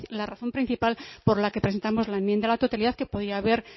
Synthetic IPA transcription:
laraθo̞mpɾĩn̟θipalpo̞ɾlakepɾes̬e̞nt̪amo̞zlaemjend̪alat̪ot̪aliðaðke̞poðiaβe̞ɾ

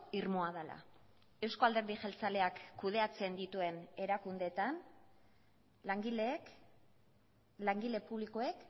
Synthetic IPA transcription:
iɾmoaðala̰ | e̞wsko̞ald̪e̞ɾðiʝelt͡sale̞akːuð̞e̞at͡se̞nd̪it̪ue̞ne̞ɾakund̪e̞t̪an | laŋɡile | laŋɡile̞puβliko̞ek

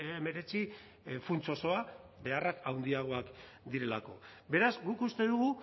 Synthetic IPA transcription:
eme̞ɾe̞t͡si | funt͡so̞so̞abe̞arakawnd̪iaɣ̞o̞ak | d̪iɾe̞la̰ko̞̰be̞ɾazɡukust̪e̞ðuɣ̞u

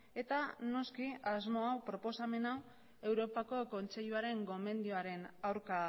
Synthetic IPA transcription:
e̞t̪ano̞skiazmo̞awpɾo̞po̞same̞naw | e̞wɾo̞pako̞ko̞nt͡se̞ʎuaɾe̞ŋɡo̞me̞nd̪ioaɾe̞nawɾka

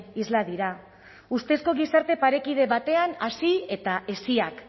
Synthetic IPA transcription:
izlaðiɾa | ust̪e̞sko̞ɣ̞isaɾt̪e̞paɾe̞kið̞e̞βat̪e̞anasie̞t̪aʔe̞siak

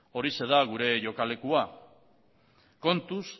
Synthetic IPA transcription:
o̞ɾise̞ðaɣ̞uɾe̞ʝo̞kale̞kua | ko̞nt̪us

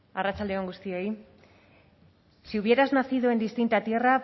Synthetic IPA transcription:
arat͡sald̪e̞o̞ŋɡust̪io̞j | seuβje̞ɾaznaθiðue̞nd̪ist̪int̪at̪je̞ra

